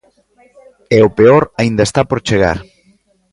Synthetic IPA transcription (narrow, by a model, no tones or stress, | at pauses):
ɛopeoɾaind̪aest̪apoɾt͡ʃeɣa̰ɾ